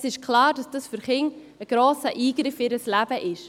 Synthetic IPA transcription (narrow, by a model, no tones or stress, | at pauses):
sɪʃkʰlɑːɾdɑsd̥ɑsfʏɾχɪŋ | əɡ̥ɾoːsəʔiːɡɾɪfɪɾəslæb̥əʔɪʃ